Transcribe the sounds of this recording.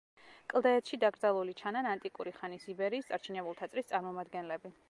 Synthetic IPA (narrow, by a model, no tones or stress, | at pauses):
kʼlˠd̪aɛt̪ʃid̪aɡɾd̪alˠulit͡ʃʰananant̪ʼikʼuɾiχanisibɛɾiːst̪sʼaɾt͡ʃʰinɛbulˠt̪ʰat̪sʼɾist̪sʼaɾmɔmad̪ɡɛnlɛbi